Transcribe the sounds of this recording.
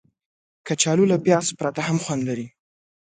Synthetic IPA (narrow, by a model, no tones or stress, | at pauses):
kat͡ʃɑlulapjɑspɾat̪ahamxwand̪laɾi